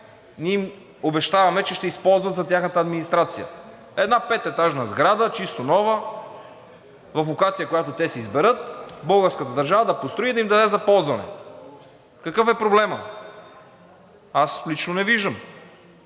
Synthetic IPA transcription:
nʲiim | obɛʃt̪avɐmɛt͡ʃɛʃt̪ɛispɔlˠzvət̪zɐt̪ʲjaxnət̪əɐd̪minist̪ɾat̪sijə̰ | ɛd̪napɛt̪ɛt̪aʒnəzɡɾad̪ət͡ʃist̪onɔvə | vɐflokat̪sijəkojat̪ot̪ɛsɛizbɛɾɤt̪̚bɤlˠɡəɾskət̪əd̪ɐɾʒavəd̪ɐpost̪ɾʊid̪ɐimd̪ɐd̪ɛzɐpɔlˠzvɐnɛ̰ | kəkɤfɛpɾoblɛmə | aslit͡ʃnonɛviʒd̪əm

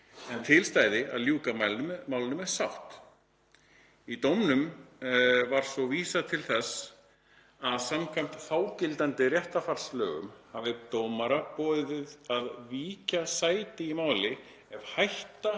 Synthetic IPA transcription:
ɛnt̪ʰɪlst̪aːjðɪaðljuːkamajlmaːwlɪnʏmɛɾ̥sawht̪ | it̪owmnʏm | vaɾ̥svɔviːsat̪ʰɪlθɛs | aðsamkʰajm̥t̪θaːwcɪlt̪ant̪ɪrjɛht̪afalslœːɣʏ̰mhavɪt̪owmaɾapɔːðɪvɪðaðviːcasaːjt̪ɪimaːwlɪ | ɛv̥hajht̪a

